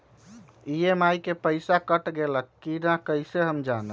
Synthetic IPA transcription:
iemajkepəɪsakəʈɡeləkːinakəɪseɦəmd͡ʒanə

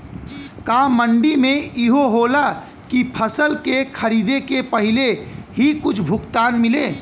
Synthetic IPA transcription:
kaməɳɖimẽiɦoɦoːla | kipʰəsəlkekʰɐɾiːd̪ekepɐɦɪleɦikʊt͡ʃʰbʱʊkt̪aːnmɪleː

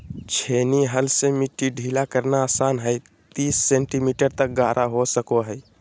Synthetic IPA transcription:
t͡ʃʰeniɦəlsemiʈːiɖʱilakəɾnaːsaːnɦəj | t̪iːsːeɳʈimiʈəɾt̪ək̚ɡʱaːɾʔaɦosəkoɦəj

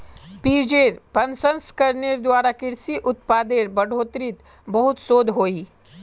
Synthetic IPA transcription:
piːɾd͡ʒeːɾpɐnsə̃nskɐɾneɾd̪waːɾakɪɾsiʔʊt̪̚paːd̪eːɾbɐɽoːt̪ɾɪt̪ | bɐɦʊt̪soːd̪ʱɦoːiː

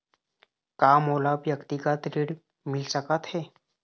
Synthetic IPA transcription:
kamolabjəkt̪ikat̪ɾiɽ | mɪlsəkət̪he

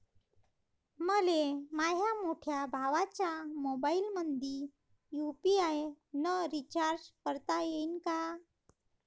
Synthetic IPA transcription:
məlemaɦjamoʈʰjabʱaʋat͡ɕamobailmənd̪ʱi | jupiajnəɾit͡ɕaɾd͡ʑkəɾt̪ajeinka

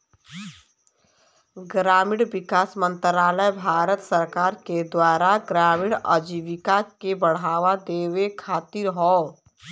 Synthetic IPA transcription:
ɡɾaːmiɽʋɪkaːsmə̃nt̪ɾaːləjbʱaːɾət̪səɾkaːɾked̪waːɾaɡɾaːmiɽəd͡ʒiʋɪkakebəɽ̤aːʋad̪eːʋekʰaːt̪ɪɾɦɔː

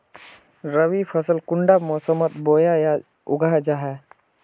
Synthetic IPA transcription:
ɾəwipʰəsəlkʊɳɖamɔːsəmət̪boːjaja | ʊ̰ɡʱad͡ʒaɦɛ

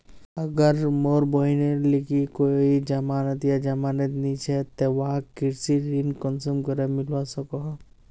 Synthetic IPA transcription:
ɐɡəɾmoːɾboinelikikoid͡ʒamaːnət̪jad͡ʒamaːnət̪nĩt͡ʃʰɛt̪eʋaɦakɪɾsiɾinkɔnsumkəɾemɪlwasɐkoɦ

